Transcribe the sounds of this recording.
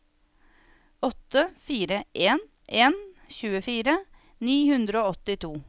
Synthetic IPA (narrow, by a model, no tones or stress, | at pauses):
ɔt̪əfiːɾəʔeːn | ʔeːnçʉːəfiːɾə | niːhʉnd̪ɾəoːɔt̪ɪt̪ʰuː